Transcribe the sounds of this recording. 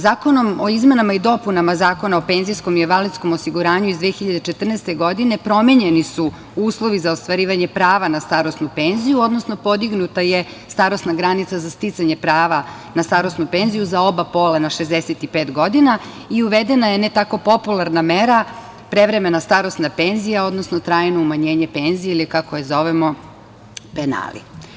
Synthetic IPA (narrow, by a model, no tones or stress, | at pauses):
zaːko̞no̞mo̞izme̞namaid̪o̞punamazaːko̞naopeːnzijsko̞mieʋalit̪sko̞mosiɡuɾaːɲuizd̪ʋeːxiʎad̪et͡ʃet̪r̩nest̪e̞ɡo̞d̪ine̞pɾo̞meɲenisu | uːslˠo̞ʋizaost̪ʋaɾiːʋaɲepɾaːʋanast̪aɾo̞snupenzijuo̞d̪no̞sno̞po̞d̪iɡnut̪aje | st̪aɾosnaɡɾanit̪sazast̪it̪saɲe̞pɾaːʋa | nast̪aɾo̞snupe̞nzijuzao̞bapo̞ːlanaʃezd̪eset̪ipe̞ːt̪ɡo̞d̪ina | iuʋed̪enaje̞net̪ako̞po̞pulˠaɾnameɾa | pɾe̞ʋɾe̞me̞nast̪aɾo̞snape̞nzijao̞d̪nosnot̪ɾaːjnoumaɲe̞ːɲe̞pe̞nzijeilikakojezo̞ʋemo̞ | pena̰lḭ